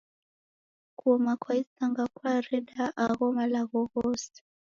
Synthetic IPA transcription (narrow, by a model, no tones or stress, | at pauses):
kuɔmakwaisaŋɡakwaɾɛdaʔaɣɔmalaɣɔɣɔs